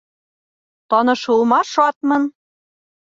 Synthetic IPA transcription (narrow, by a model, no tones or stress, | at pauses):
t̪ɒnɤ̆ʃulˠmɑʃɑt̪mɤ̆n